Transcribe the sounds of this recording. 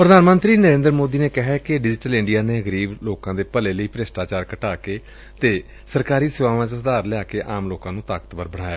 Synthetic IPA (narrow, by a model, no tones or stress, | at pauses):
pɾəd̪ʱaːnmə̃nt̪ɾiːnəɾẽːnd̪ɾmoːd̪iːneːkɪɦɛːkɪɖɪd͡ʒʈəlɪ̃ɳɖijaːneːəɡəɾiːbloːkãːd̪eːpəleːləiːpɾeːsʈaːt͡ʃaːɾkəʈaːkeː | t̪eː | səɾkaːɾiːsɪʋaːʋãːt͡ʃsəd̪aːɾlɪaːkeːʔaːmloːkãːnũːt̪aːkə̥t̪bəɾbəɽ̃aːjaː